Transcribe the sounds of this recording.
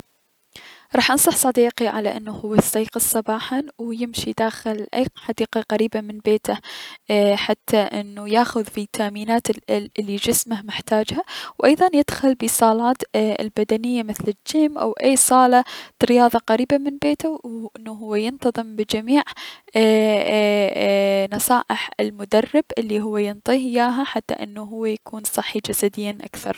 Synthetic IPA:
ɾˤɑːħʔɑnsˤɑħsˤɑd̪iːqiʕalaʔɪnːuhʊwːasˤiːqɨsˤɑbɑːħanwjɪmʃid̪aːxɪlʔajħad̪iːqɑqaɾiːbamɪnbeːt̪a | ħat̪ʰːaʔɪnːujaːxʊðfit̪ʰːaʔmiːnaːt̪lːid͡ʒɪsmahmɪħt̪aːd͡ʒhawʔajðˤɑnjɪd̪̥xʊlbisˤɑːlɑːt̪ɪ̰lbad̪anɪjːamɪθlɪd͡ʒːiːmʔa̰wʔaːsˤɑːlɑ̥ɾɪjɑːðˤɑqaɾiːbamɪnbeːt̪awʔɪnːuɦʊwːajɪnt̪ɑðˤɨmbɪd͡ʒamiːʕ | nɑsˤɑːʔɪħɪlmʊd̪ɑrˤːɪbʔɪlːiɦʊwːajɪnt̪ˤiːhɪjaːɦaħat̪ːa̰ʔɪ̰nːuɦʊwːajakʰuːnsˤɑħːid͡ʒasad̪ɪjːanʔa̰kθɑ̰ɾˤ

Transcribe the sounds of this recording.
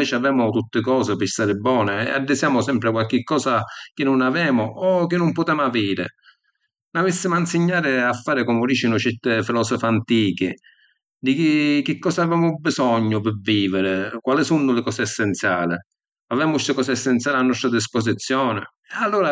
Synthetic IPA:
ɛːt͡ʃɪavɛːmʊt̪ut̪ːɪkɔːsɪpɪst̪aːɾɪbːɔːnɪ̰a̰d̪ːɪsjaːmʊsɛmpɾɪkwalk̟ɪkːɔːsak̟ɪnːʊnavɛːmʊɔk̟ɪnːʊmpʊt̪ɛːmaviːɾɪ̰ | navɪsːɪmʊansɪɲːaːɾɪafːaːɾɪkɔmʊɾiːt͡ʃinʊt͡ʃɛɾt̪ɪfilɔːsɔfant̪iːk̟ɪ | d̪ɪkiɪk̟ɪkːɔːsaavɛːmʊbisɔɲːʊpɪvːiːvɪɾɪkwalɪsunːʊlɪkɔːsɪɛsːɛnt̪sjaːlɪ | avɛːmʊst̪ɪkɔːsɪɛsːɛnt̪sjalɪanːɔst̪ɾad̪is̬pɔs̬it̪sːjɔːnɪ | ɛalːuːɾa

